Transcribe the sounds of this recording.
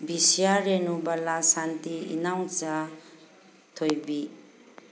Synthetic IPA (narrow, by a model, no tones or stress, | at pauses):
bisiaɾenubalasantiḭnawt͡ʃa | tʰojbi